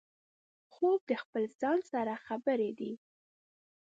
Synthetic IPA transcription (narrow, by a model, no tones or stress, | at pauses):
xob̚d̪əxpəlz̥ɑnsaɾaxabəɾed̪i